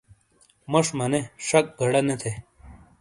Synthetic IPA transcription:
mɐʂmɐneʂɐk̚ɡʱɐɽɐnet̪ʰe

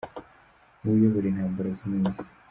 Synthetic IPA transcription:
nujoβuɾinhaːmbaɾazimuːnzi̥

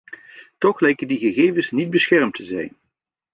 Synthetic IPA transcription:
tɔχlɛjkədiɣəχejvənsnid̚bəsχɛrmtəzɛ̰jn

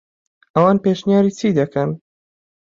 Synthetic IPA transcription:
ʔɐwɑːnpeʃnijaːɾiːt͡sʰid̪ɐkʰɐn

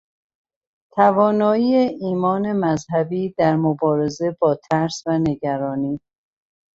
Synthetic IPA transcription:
t̪ʰævɒːnɒːiːeʔiːmɒːnemæzhæbiːd̪æɾmobɒːɾe̞ze̞bɒːt̪ʰæɾsvæne̞ɟæɾɒːniː

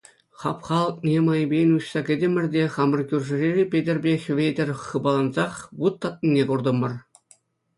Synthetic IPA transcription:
χɑpχɑlˠɤ̆k̚nʲemɑjbʲejnʲuɕsɑkʲɘ̆dʲĕmʲɘ̆rʲdʲeχɑmɤ̆rkʲyrʲʐɘ̆rʲerʲipʲedʲĕrʲbʲexʲʋʲedʲɘ̆rʲχɤ̆bɑlˠɑnzɑχʋut̪ːɑt̪̚nʲinʲekurd̪ɤ̆mɤ̆r

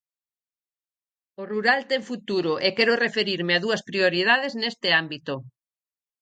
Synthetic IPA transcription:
oruɾalt̪ɛŋfut̪uɾʊʔekɛɾʊrefeɾiɾmeaðuɐspɾioɾiðað̞eznest̪ɪambit̪o

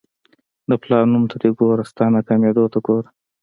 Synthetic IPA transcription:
d̪əplɑɾnumt̪ʰad̪eɡoːɾast̪ɑnakamed̪ot̪aɡoɾ

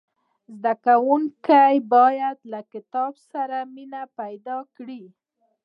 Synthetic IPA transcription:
zd̪akawuŋkajbɑjad̪lakɪt̪ɑbsaɾaminapajd̪ɑkɽi

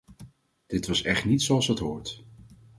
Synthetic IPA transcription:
d̥ɪtʋɑsɛχtnitsoɑlˠsɦətɦʊːɹt

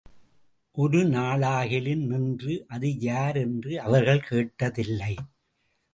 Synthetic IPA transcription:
ʔʊɾɯnaːɭaːɣɪlɪnnɪndrɯʔɐðɯjaːɾɛndrɯɐʋɐɾɣɐɭkeːʈːɐðɪlːɐɪ

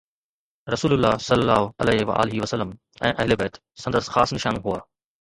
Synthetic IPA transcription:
ɾɐsuːlʊlːaːsɐlːəlːa̰ːɦoɐ̰lɛːʋɐ̰ʔa̰ːlɪɦiʋɐsəlːəm | ɛ̃ːʔɐɦɪlebɛːt̪ | sɐ̃nd̪əsxaːsnɪʃaːnɦuaː

